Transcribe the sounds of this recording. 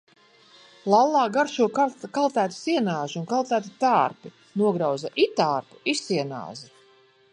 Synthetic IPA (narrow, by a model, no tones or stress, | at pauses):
lˠalˠːɑːɡaɾʃuɔkkalˠt̪æːt̪u̥siɛnaːʒunkalˠt̪æːt̪it̪aːɾpi | nuɔɡɾawzaʔit̪aːɾpu̥isiɛna̰ːzi